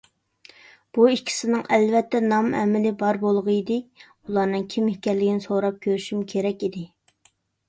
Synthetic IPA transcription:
b̥uikʲʰːi̥sɪnɨŋʔɛlvɛt̪ːɛnɑmɛ̰mɪlɪbɑɾbolˠʁəid̪ɪ | ulˠɑnɨŋkʲʰimhɪkʲɛɾlːɪɡʲinɪsoɾɑp̚kʲʰøɾyʃymkʲʰeɾɛkʲid̪ɪ

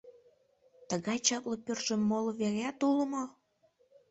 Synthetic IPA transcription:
t̪əɣɑjt͡ɕɑplopørʃəmːolβeɣæt̪uləmo

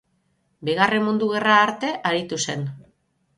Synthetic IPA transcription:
biɣ̞are̞mmund̪uɣ̞e̞raːɾt̪e̞ʔaɾit̪use̞n

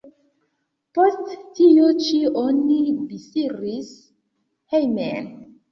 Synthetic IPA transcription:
postːijot͡ʃionːibisiɾis | hejmḛn

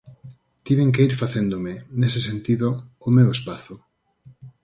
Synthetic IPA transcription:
t̪iβeŋk̬eiɾfaθend̪omɪnesesent̪iðoːmewespaθʊ

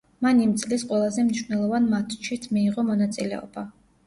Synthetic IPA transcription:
manimt̪sʼlisqʼwɛlˠazɛmniʃnɛlˠɔvanmat̪ʰt͡ʃʰit̪ʰmiːʁɔmɔnat̪sʼilɛ̰ɔ̰ba

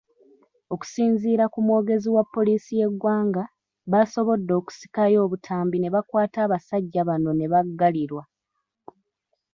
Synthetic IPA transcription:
o̞ku̥siːɲziːɾakumwo̞ːɡe̞ziwapːo̞liːsije̞ɡwaːŋɡa | βaso̞βo̞dːo̞ːku̥si̥kajo̞ːβutʰaːmbine̞βakwaːtaːβasaɟːaβano̞ne̞βaɡːaliɾwa

